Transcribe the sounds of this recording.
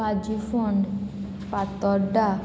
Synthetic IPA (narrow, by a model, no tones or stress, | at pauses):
ad͡ʒifɔɳɖ | pat̪ɔɖa